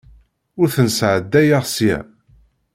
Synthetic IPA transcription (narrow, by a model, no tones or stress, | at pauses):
ʊɾθənsʕəd̪ːæjaʁsjæ̰